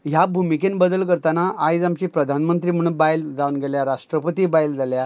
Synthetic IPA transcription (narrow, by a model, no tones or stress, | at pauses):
ɦjabʱumikenbəd̪əlkəɾt̪anaʔajd͡zamt͡ɕiːpɾəd̪ʱanmənt̪ɾiːm̤əɽ̃uːnbajld͡zaʋunɡeljaɾaʂʈɾəpət̪iːbajld͡zalja